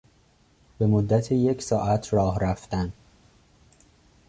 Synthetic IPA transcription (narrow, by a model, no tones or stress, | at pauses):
b̥e̞mo̞d̪ːæt̪ʰeje̞csɒːʔæt̪ʰɾɒːhɾæft̪æn